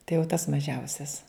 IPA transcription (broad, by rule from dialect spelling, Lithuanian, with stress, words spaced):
tɐɪ jɛʊ tɐs mɐˈʒʲɛʊsʲɛs